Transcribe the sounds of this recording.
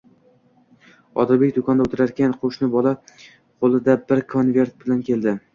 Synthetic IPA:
ɒ̰d̪ɪɾbekʲd̪ʊkʰɒnd̪aot̪ʰɪɾaɾkʲʰanqʰoʃnɪbɒlˠa | qʰolˠɪd̪abɪɾkʰo̞nvʲe̞ɾt̪̚bɪlankʲe̞ld̪ɪ

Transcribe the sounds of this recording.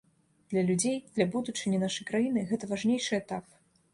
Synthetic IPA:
d̪̥lʲɐlʲud͡zʲejd̪lʲɐbud̪ut͡ʂɨnʲɐnaʂɐjkɾajinɨɣɛt̪ɐvaʐnʲejʂɨɛt̪ap̚

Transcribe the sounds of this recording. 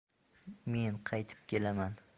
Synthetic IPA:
me̞nqʰɑjt̪ʰɪ̥p̚kʲʰe̞laman

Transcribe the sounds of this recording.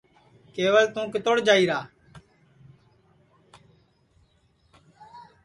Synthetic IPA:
keːʋəlt̪ũːkɪt̪oːɽd͡ʒaːiːɾaː

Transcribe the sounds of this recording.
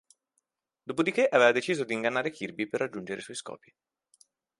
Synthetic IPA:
d̪oːpod̪ikeʔaveːvad̪et͡ʃiːzod̪iːŋɡanːaːɾekʰirbiperːad͡ʒːund͡ʒeɾḛswɔjskɔ̰ːpi

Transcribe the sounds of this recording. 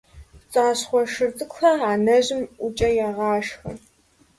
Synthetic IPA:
t͡sʼaːɕχʷɔʃɨrtʼɨkʷxɐaːnɐʑɪmʔʊt͡ʃʼɐjaːʁɑːʂxɨ̰

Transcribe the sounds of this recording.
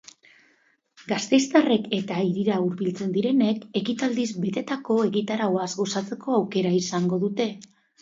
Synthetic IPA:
ɡast̪e̞jst̪are̞ke̞t̪aiɾiɾauɾβilt͡se̞nd̪iɾe̞ne̞ke̞kit̪ald̪izbe̞t̪e̞t̪ako̞e̞ɣit̪aɾaoazɡo̞sat͡se̞ko̞awke̞ɾaisaŋɡo̞ðut̪e̞

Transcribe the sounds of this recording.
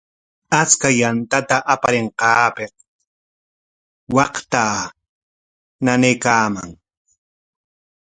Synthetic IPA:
at͡skajant̪at̪aʔapaɾeɴqɑːpeq | wɑqt̪aː | nanejkaːma̰ŋ

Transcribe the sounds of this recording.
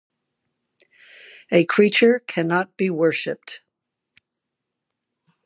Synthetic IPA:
ɨkʰɹ̥it͡ʃə˞kʰænɑt̚b̥iwɜ˞ʃɨp̚t

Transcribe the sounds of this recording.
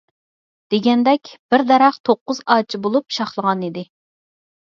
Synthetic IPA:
d̪̥eɡʲɛnd̪ɛkʲb̥ɪɾd̪ɛɾɑχt̪ʰoqːʊzɑːt͡ʃʰibolˠupʃɑχlˠəʁɑnid̪ɪ

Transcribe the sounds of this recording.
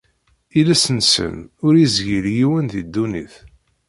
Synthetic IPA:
ilæsənsə̰nʊɾizʝiljiwənðid̪ːuniθ

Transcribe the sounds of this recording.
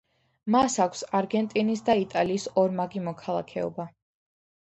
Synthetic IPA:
masakʷʰsaɾɡɛnt̪ʼinisd̪ait̪ʼaliːsɔɾmaɡimɔkʰalˠa̰kʰɛɔ̰ba

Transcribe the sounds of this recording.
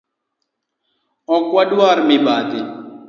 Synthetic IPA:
okwɐɖwaːɾmibaːd̪i

